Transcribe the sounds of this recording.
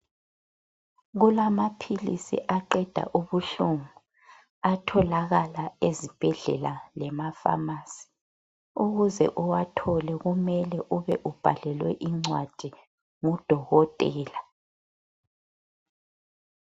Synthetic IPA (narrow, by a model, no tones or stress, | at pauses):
ɣulamapʰilḭsḭʔaǃɛd̥ʱa̰ʔuβuɬuŋu | atʰɔlaɣalaezib̥ʱɛɮɛlalɛmafa̰maːsi̥ | uɣuzɛ̰ʔuwatʰɔlɛɣumɛlɛʔuβɛʔub̥ʱalɛlwɛ̰ʔiŋ͡ǀwad̥ʱi | ŋud̥ʱɔɣɔtʼɛːla